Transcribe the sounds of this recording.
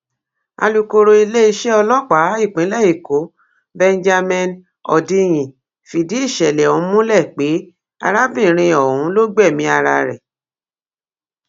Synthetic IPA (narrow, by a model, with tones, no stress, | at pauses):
a̰˧lu˨ko˧ɾo˧i˧le˦˧ʃe˦ɔ˧lɔ˦k͡pa˨˦i˦˨k͡pĩ˨˦lɛ˦˨i˨ko˨˦ | bɛ˧nd͡ʒa˧mɛ̃˧n | ɔ̰˨dĩ˧j̃ĩ˨ | fi˨di˨˦i˦˨ʃɛ˨lɛ˨ɔ̃˨˦mũ˦lɛ˦˨k͡pe˨˦ | a̰˧ɾa˦bĩ˦˨ɾ̃ĩ˧ɔ˨ũ˨˦lo˦ɡ͡bɛ˦˨mĩ˧˦a˧ɾa̰˧ɾɛ˨